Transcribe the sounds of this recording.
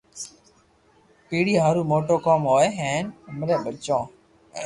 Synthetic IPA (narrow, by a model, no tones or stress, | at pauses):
piːɽiːɦaːɾuːmoːʈoːkoːmɦoːeɦɛ̃ːnməɾẽːɓət͡ʃõː